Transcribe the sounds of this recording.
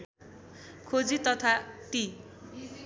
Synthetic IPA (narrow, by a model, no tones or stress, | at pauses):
kʰod͡zit̪ʌt̪ʰaʈi